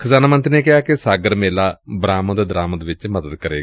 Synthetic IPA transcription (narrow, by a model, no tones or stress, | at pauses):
kʰəzaːnaːmə̃nt̪ɾneːkɪɦaːkɪsaːɡəɾmeːlaːbɾaːmə̃d̪d̪ɾaːməd̪ʋɪt͡ʃməd̪əd̪kəɾeː